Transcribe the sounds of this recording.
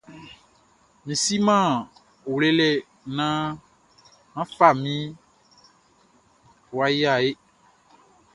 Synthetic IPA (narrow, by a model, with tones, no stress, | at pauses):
mĩ˨si˦mã˦˨ | o˨wle˦lɛ˦˨ | nã˦ | mã˦fa˦˨mĩ˦˨ | wa˨˦ji˦a˨e˦